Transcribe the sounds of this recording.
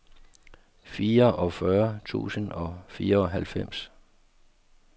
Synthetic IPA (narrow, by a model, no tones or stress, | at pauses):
fiːɐʔɒ̽fɶɐt͡sʰṵːsənɒ̽fiːɐɒ̽ɦælfem̰s